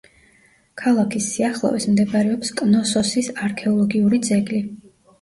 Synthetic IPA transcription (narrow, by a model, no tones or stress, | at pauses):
kʰalˠakʰisːiaχlˠɔ̰vḭsmd̪ɛbaɾɛɔpskʼnɔsɔsisaɾkʰɛɔlˠɔɡiuɾid̪zɛɡli